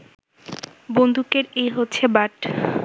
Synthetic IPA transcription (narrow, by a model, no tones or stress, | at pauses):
bond̪ʱukeɾejɦotːɕʰebaʈ